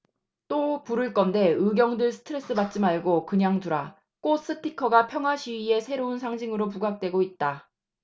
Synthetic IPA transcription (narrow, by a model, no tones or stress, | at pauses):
t͈opuɾɯɭk͈ʌnde̞ɯɡjʌŋdɯɭsʰɯ̥tʰɯɾe̞s͈ɯmat̚t͡ɕ͈imaɭɡokɯɲaŋtuɾa | k͈os͈ɯtʰikʰʌɡapʰjʌŋɦwaɕʰiɥie̞sʰe̞ɾounsʰaŋd͡ʑiŋɯɾop̬uɡak̚t͈we̞ɡoit̚t͈a